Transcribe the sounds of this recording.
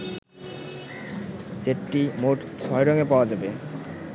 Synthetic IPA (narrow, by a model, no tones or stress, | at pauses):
seʈʈːimoʈt͡ɕʰɔjɾɔŋepaoad͡ʑabe